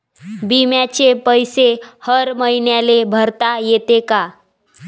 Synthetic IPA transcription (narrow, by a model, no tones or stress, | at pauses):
bimjat͡ɕepəjsehəɾməinjalebʱəɾt̪ajet̪eka